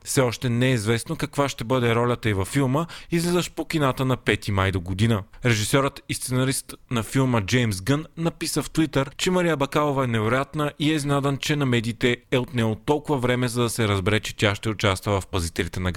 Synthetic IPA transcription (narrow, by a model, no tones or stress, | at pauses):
fsɛɔʃt̪ɛnɛizvɛsnokɐkvaʃt̪ɛbɤd̪ɛɾɔlʲɐt̪əivɐfːilˠməizlɛzəʃpok̟inat̪ənɐpɛt̪imajd̪oɡod̪inəɾɛʒisɔɾət̪ist̪sɛnɐɾist̪nɐfilˠməd͡ʒɛjms̬ɡənːɐpisəft̪vit̪əɾt͡ʃɛmɐɾijəbɐkalˠovɐɛnɛvɛɾojat̪nəʔiɛznad̪ɐnt͡ʃɛnɐmɛd̪iːt̪ɛɛot̪nɛɡot̪ɔlˠkʊvɐvɾɛmɛzɐd̪ɐsɛɾɐzbɛɾɛt͡ʃɛ̥t̪ʲjaʃt̪ɛʊt͡ʃast̪vəvɐfpɐzit̪ɛlʲit̪ɛnɐɡ